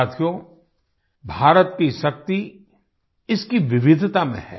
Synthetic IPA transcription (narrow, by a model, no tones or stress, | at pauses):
t̪ʰijõ | bʱaːɾət̪̚kiʃɐk̚t̪i | ɪskiʋɪʋɪd̪ʱt̪amḛ̃ɦɛ̰ː